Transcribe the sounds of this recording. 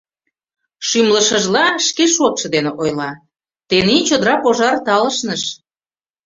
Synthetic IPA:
ʃymlə̆ʃəʒlɑʃkeʃot̪ʃə̆d̪eneʔojlɑ | t̪enint͡ɕod̪əɾɑpoʒɑrt̪ɑləʃnəʃ

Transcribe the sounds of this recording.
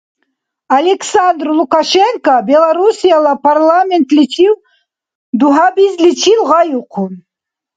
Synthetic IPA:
alʲɛksand̪rlˠukʰaʃɛŋkabɛlˠaɾusijalapʰarlˠamɛnt̪ʰlit͡ʃʰiw | d̪uɦabizlit͡ʃʰilʁajuqʰu

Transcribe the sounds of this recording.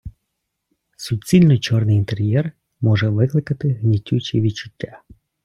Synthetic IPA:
sʊt͡ssʲilʲnʊjt͡ʃɔrnɪjint̪eɾʲjɛr | mɔʒɛʋɪklˠɪkɐt̪ɪɦnʲitʲːut͡ʃiʋʲit͡ʃʊ̥tʲːa

